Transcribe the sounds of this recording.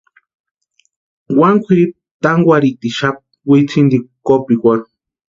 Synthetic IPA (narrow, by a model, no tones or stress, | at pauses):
waŋkʷʰiɾip̚t̪aŋɡʷaɾit̪iʃap̚ | wit͡sʰind̪ikopikʷaŋ